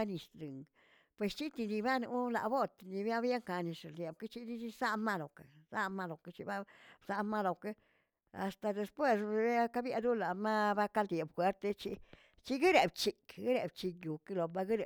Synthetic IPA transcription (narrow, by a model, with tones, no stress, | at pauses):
a˦ni˨st̪ɾɨ˨ŋɡ | pwe˨st͡ʃi˦t̪i˧ni˧ba˦nu˧˦la̰˨bo˦t̪ni˧bja˦bja˦ŋka˧ni˧ʂe˨ld̪je˨b̚ke˦t͡ʃi˦d̪i˦t͡ʃi˦sa˦ma˦lo˨ke˨sa˦ma˦lo˨ke˧t͡ʃi˦ba˦bsa˧˦ma˦lo˨ke˦ | a̰˨st̪a˧d̪e˧spwe˦sbba˦ka˦bja˧d̪u˦la˨ma˦ba˦ka˦ld̪je˨bxwe˨˦ɾt̪e˦t͡ʃi˦ | t͡ʃi˦ɡi˦ɾe˨bt͡ʃi˨kɡe˦ɾe˨bt͡ʃi˧kju˨ke˦lo˨ba˧ɡi˦ɾe˨